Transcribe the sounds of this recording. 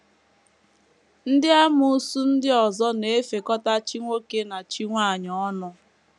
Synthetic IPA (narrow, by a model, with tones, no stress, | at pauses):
n̩˦dɪ˦a˦mu˨˦su˦n̩˦dɪ˦ɔ˨zɔ˦ne˨˦fe˨kɔ˦ta˦t͡ʃi˦ŋʷo˦ke˦na˨t͡ʃi˦ŋʷa˦˨ɲɔ˦ɔ˦nʊ˦